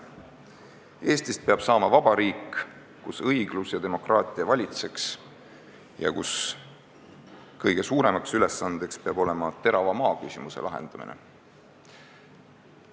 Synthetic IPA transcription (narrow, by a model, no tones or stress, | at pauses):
e̞ːst̪ist̪̚peɑb̥sɑːmɑvɑb̥ɑɾiːkː | usɤjɡ̥lusjɑd̪e̞mo̞krɑːt̪ˑiɑvɑlʲit̪se̞ks | jɑ̰kus | kɤjɡ̥e̞suːɾe̞mɑksyle̞sːɑnd̪̥e̞kspe̞ɑbo̞le̞mɑt̪e̞ɾɑvɑmɑːkysimuse̞̰lʔɑɦḛnd̪̥ɑmḭnḛ